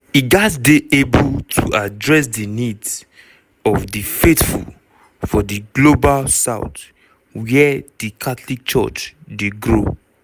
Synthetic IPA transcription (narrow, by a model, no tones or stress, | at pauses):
iɡatdeʔebultʰuadɹɛs̬dinids | ɔvdifetfṵl | fɔdiɡlobalsaʊt | wɛdikʰatlik̚t͡ʃɔ̰t͡ʃdeɡɹo̰